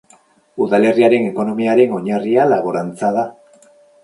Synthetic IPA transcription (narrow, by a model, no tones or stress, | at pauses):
uðale̞riaɾe̞ne̞ko̞no̞miaɾe̞no̞ɲarialaβoɾant͡sað̞a